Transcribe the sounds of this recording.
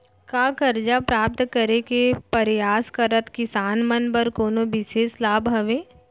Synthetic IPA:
kaːkɐɾd͡ʒapɾaːp̚t̪kəɾekepɐɾjaːskəɾət̪kɪsaːnmɐnbəɾkoːnobɪʃeːslaːbɦɐʋẽː

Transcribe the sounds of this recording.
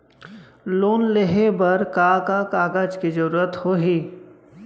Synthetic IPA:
loːnleɦebəɾkaːkakaːɡad͡ʒkid͡ʒəɾuːɾət̪hoːɦiː

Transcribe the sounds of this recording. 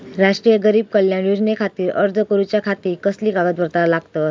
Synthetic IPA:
ɾaʂʈɾijəɡəɾiːb̚kəljaɳjud͡znekʰat̪iːɾə̰ɾd͡z̪ʱəkəɾut͡ɕjakʰat̪iːɾkəsliːkaɡət̪̚bʱəɾt̪alaɡt̪ə

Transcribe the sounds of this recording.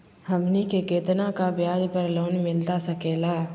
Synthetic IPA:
hɐmnikekeːt̪nakabjaːd͡ʒpəɾloːnmɪlt̪asɐkeːlaː

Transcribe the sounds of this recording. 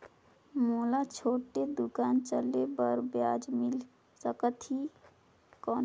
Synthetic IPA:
molat͡ʃʰoʈːed̪ukant͡ʃəlebəɾbjad͡ʒmil | səkət̪i | kɔn

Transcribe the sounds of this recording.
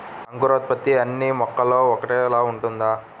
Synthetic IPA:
ɐŋkuɾoːt̪̚pɐt̪ːiɐnːimɔkːɐloːɔkɐʈɛːɛlaːuɳʈund̪aː

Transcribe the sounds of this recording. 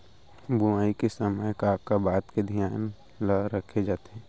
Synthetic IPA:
buaːikesəməjkaːp̚kabaːt̪ked̪ʱjaːn | laɾəkʰed͡ʒaːt̪eɦɛ̃ː

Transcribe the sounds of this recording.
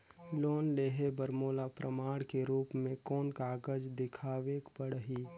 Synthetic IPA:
loːnleːɦebəɾmoːlapɾəmaːɽkeɾuːpmẽkɔːnkaːɡəd͡ʒd̪ɪkʰaːʋekbəɽəɦiː

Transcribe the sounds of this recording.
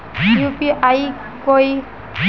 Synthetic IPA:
jupiʔaj | koj

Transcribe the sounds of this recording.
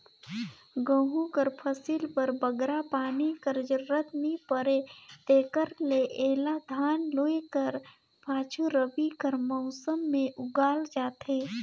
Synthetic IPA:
ɡə̃ɦukəɾpʰəsiːlpəɾbəɡɾapaːnikəɾd͡ʒəɾət̪mipəɾet̪eːkəɾleʔeːlad̪ʱaːnloːekəɾ | pʰaːt͡ʃʰuɾəbikəɾmɔːsəmːẽʔʊɡaːld͡ʒaːt̪ɦeː

